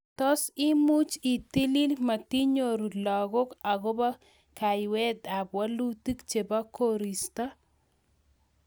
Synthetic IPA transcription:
tɔ˦si˦mu˦t͡ʃi˨ti˦li˦lma˨ti˦ɲo˨ɾu˨lɔ˨ɣɔ˦ka˨ɣɔ˦ba˦ | ka˨jwɛ˦d̪a˨pwa˦lu˦ti˦kt͡ʃe˨ba˦koɾi˨sta˦

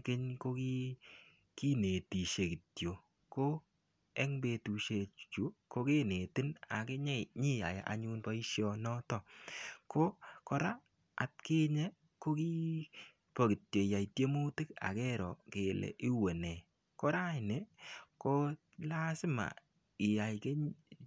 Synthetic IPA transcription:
kɪ˦ɲko˦ki˦ | ki˦ne˨ti˨ʃe˨kɪ˨tjo˨ | ko˦ | ɛ˦ŋbe˧tu˨ʃe˧t͡ʃu˨˦ko˦ke˦ne˨tɪ˦na̰˨kɪ˦ɲe˦ɲi˦a̰˨ja˨ʔa̰˨ɲu˦npa˦i˦ʃjɔ˦nɔ˦tɔ˦ko˦kɔ˦ɾa˦ | a̰˨t̚ke˦ɲe˦ | ko˦ki˦ | po˨ki˨tjo˨ja˨i˨tje˦mu˦tɪ˦ka̰˨kɛ˦ɾɔ˨ke˨lḛ˨ʔi˦we˨nɛ˨ | ko˦ɾa˦˨ne˨˦ko˦ | la˦sɪ˦ma̰˨ | ɪ˨ja˨jke˦

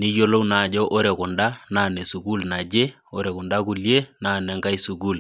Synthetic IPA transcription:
ni˦jo˦lo˦wnaː˨d͡ʒɔ˦ʔɔ˦ɾe˨kʊ˨nda˦na˦˨ne˨su˨ku˦lna˨d͡ʒe˦ | o˦ɾɛ˨kʊ˨nda˦ku˨lje˦na˦nɛ˨ŋka˦i˦su˨ku˦l

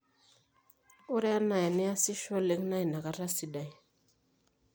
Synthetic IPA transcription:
u˦ɾe˦a˦na˨ja˨ni˦a˦si˦ʃo˦le˦ŋna˦ji˨na˨ka˦ɾa˦si˨da˨j

